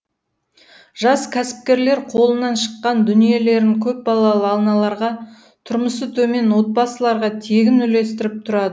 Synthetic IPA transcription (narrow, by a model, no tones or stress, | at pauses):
ʒ̥ɑskʲʰæsɪ̥p̚kʲe̞ɾle̞ɾqʰo̞lˠənɑnʃə̥qːɑnd̪ʏnije̞le̞ɾɪŋkʲʰɵp̚bɑlˠɑlˠəɑlˠnɑlˠɑɾʁɑ | t̪ʰʊɾməsət̪ʰɵme̞nwo̞t̪̚bɑsəlˠɑɾʁɑt̪ʰe̞ɡʲɪnʏle̞st̪ɪɾɪp̚t̪ʰʊɾɑd̪əə